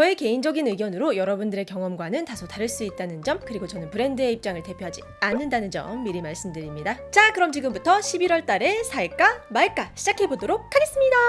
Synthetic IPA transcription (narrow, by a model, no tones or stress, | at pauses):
t͡ɕʌeke̞ind͡ʑʌɡinɯɡjʌnɯɾojʌɾʌbundɯɾe̞kjʌŋʌmɡwanɯntasʰotaɾɯɭs͈uit̚t͈anɯnd͡ʑʌmkɯɾiɡot͡ɕʌnɯnpɯɾe̞ndɯe̞ip̚t͡ɕ͈aŋɯɭte̞pʰjoɦad͡ʑi | anːɯndanɯnd͡ʑʌ̰mːiɾimaɭs͈ɯmdɯɾimɲidat͡ɕakɯɾʌmt͡ɕiɡɯmbutʰʌɕʰibiɾwʌɭt͈aɾe̞sʰaiɭk͈amaɭk͈aɕʰid͡ʑakʰe̞bodoɾok̚ʰaɡe̞s͈ɯmɲida